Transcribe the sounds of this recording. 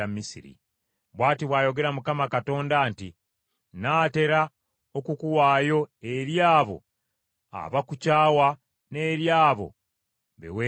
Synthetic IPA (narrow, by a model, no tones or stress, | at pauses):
amːisḭɾḭ | βwaːtiβwaːjo̞ɡe̞ɾamukamakato̞ːndaːnti | naːte̞ɾa | okukuwaːjo̞e̞ɾjaːβo̞̰ | a̰βakucaːwa | ne̞ːɾjaːβo̞̰ | βḛwe